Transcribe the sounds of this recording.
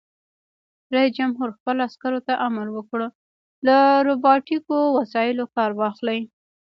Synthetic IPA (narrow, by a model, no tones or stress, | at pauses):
ɾaisd͡ʒamɦuɾxpəlaskaɾot̪aʔamalwəkɽ | laɾobɑʈikowasɑjɪlokɑɾwɑxlaj